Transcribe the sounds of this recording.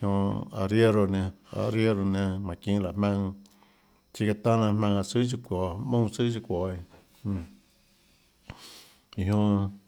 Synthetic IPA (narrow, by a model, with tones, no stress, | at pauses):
hõ˧a˧ɾje˦ɾo˧nẽ˧a̰˧˨ɾje˦ɾo˧nẽ˧mã˨kĩ˧la˨mã˧ŋ | t͡ʃi˦ka˧t̪ã˦nã˧mã˧ŋa˧si˦t͡ʃ̬i˧kʷo˨mũ˦sɨ˦t͡ʃi˧kʷo˨ĩ˧ | i˧ɦõ˧